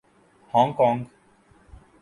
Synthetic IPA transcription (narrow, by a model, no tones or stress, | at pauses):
hɔ̃ːŋkɔ̃ːŋɡ